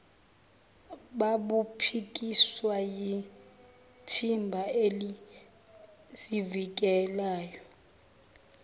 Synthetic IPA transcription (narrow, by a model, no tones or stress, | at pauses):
ɓaɓupʰik̬ʼiswaji | tʰimbʱaeli | sivik̬ɛlaːjɔ